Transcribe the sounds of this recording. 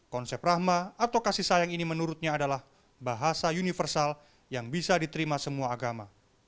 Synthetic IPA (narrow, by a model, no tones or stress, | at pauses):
kɔnsɛp̚rahmaat̪awkasihsajaŋinimənuɾʊt̪̚ɲaːdalah | baɦasaunifərsal | jaŋbisadit̪əɾimasəmuaːɡama